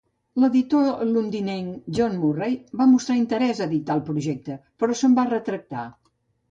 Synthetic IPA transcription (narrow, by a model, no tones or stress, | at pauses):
ləðit̪olund̪ineŋʒonmurejβamust̪ɾaint̪əɾɛzəðit̪alˠpɾuʒɛk̚t̪əpəɾɔsəmbarət̪ɾək̚t̪a